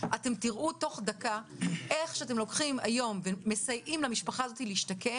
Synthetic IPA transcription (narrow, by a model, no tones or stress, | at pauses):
ʔate̞mtiʁʔuto̞χdakaʔe̞χʃeat̬emlo̞kχima̰jo̞mveːe̞sajʔimlamiʃpaχaːzo̞tiliiʃtake̞